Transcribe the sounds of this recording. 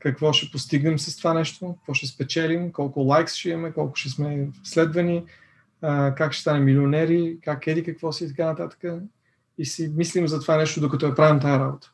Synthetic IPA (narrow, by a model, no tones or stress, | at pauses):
kɐkvɔʃɛpost̪iɡnɛmsɐst̪ovanɛʃt̪okə̥kvɔʃɛspɛt͡ʃɛlimkɔlˠkʊlˠajksʃɛimɐmɛkɔlˠkʊ̥ʃɛsmɛslɛd̪vɐni | kakʃɛ̥st̪anɛmːilionɛɾikakɛd̪ikəkvɔsiit̪ɐkanɐt̪at̪ə̥kə | isimislimzɐt̪ovanɛʃt̪od̪okɐt̪ɔɛpɾavimt̪ajɐɾabot̪ə̥